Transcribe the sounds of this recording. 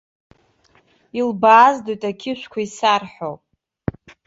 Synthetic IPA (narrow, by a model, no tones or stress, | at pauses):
ilbaːzdojtʼakʲʰɪʃᶣʷkʷʰaisarħowpʼ